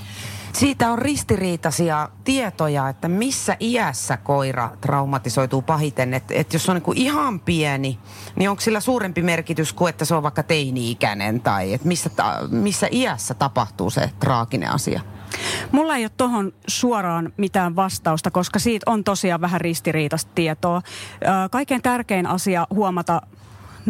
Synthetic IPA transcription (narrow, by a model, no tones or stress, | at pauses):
siːt̪æorrist̪iriːt̪ɑsiɑt̪iet̪ojɑet̪ːæmisːæʔiæsːækoirɑ̰t̪rɑumɑt̪isoit̪uːpɑhit̪enːet̪ḛt̪josːeoniŋkuʔihɑmpiɛni | nioŋkssilːæsuːɾempimerkit̪yskuet̪ːæseoʋʋɑikːɑt̪einiikæ̰nḛnt̪ɑ̰iet̪misːæt̪ɑ̰misːæʔiæsːæt̪ɑpɑht̪ṵːsḛt̪rɑːkinḛɑ̰sḭɑ̰mulːɑeijot̪t̪ohonsuorɑːnmit̪æːʋʋɑst̪ɑust̪ɑkoskɑsiːt̪ont̪osiɑːʋʋæɦærist̪iriːt̪ɑst̪t̪iɛt̪oːkɑikːˑent̪ærkeinɑsiɑhuomɑt̪ɑ